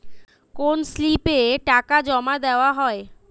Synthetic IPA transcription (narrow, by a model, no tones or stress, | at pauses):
konslipeʈakad͡ʑɔmad̪eoaɦɔe